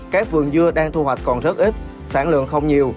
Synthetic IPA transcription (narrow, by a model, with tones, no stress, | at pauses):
kaː˦˥k̚vɨ̰˨˩əŋzɨ˧əɗaː˧ŋt̪ʰu˧hwa˨˩jk̟̚kɔ˨˩nzə˦˥t̚ʔi˦˥t̚ | saː˧˩nlɨ̰˧˨əŋxə˧wŋ͡mɲi˨˩əw